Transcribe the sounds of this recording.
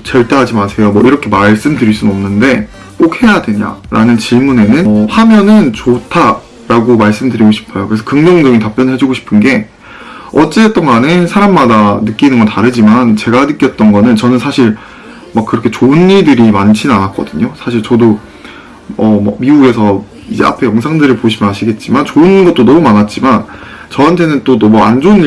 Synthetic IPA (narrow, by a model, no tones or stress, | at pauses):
t͡ɕʌɭt͈eɦad͡ʑimasʰe̞jomʌiɾʌkʰe̞maɭs͈ɯmdɯɾiɭs͈unʌmnɯnde̞ | k͈okʰhe̞jadwe̞ɲa̰ɾa̰nɯnt͡ɕiɭmune̞nɯnhamjʌnɯnt͡ɕotʰa | ɾaɡomaɭs͈ɯmdɯɾiɡoɕʰi̥pʰajokɯɾe̞sʰʌ̥kɯŋd͡ʑʌŋd͡ʑʌɡintap͈jʌnɦed͡ʑuɡoɕʰi̥pʰɯnɡe̞ | ʌt͡ɕ͈eːt͈ʌnɡanɯnsʰaɾamːadanɯk͈inɯnɡʌntaɾɯd͡ʑimant͡ɕe̞ɡanɯk͈jʌt̚t͈ʌnɡʌnɯnt͡ɕʌnɯnsʰaɕʰiɭ | mak͈ːɯɾʌkʰe̞t͡ɕoɯnːiɭdɯɾimant͡ɕʰinanak͈̚ʌ̰dɯɲosʰaɕʰiɭt͡ɕʌdo | ʌmʌ̰miuɡe̞sʰʌ | id͡ʑe̞̰a̰pʰe̞jʌŋsʰaŋdɯɾɯɭpoɕʰimjʌnɦaɕʰiɡe̞t̚t͡ɕ͈imant͡ɕoɯnɡʌt͈̚odomanat̚t͡ɕ͈iman | t͡ɕʌantʰe̞nɯnt͈odomʌa̰nd͡ʑoɯnːi